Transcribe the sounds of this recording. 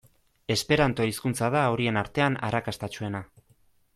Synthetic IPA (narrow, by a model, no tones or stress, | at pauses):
e̞spe̞ɾant̪o̞iskunt͡sað̞aoɾie̞naɾt̪e̞ana̰ɾakast̪at͡ʃue̞na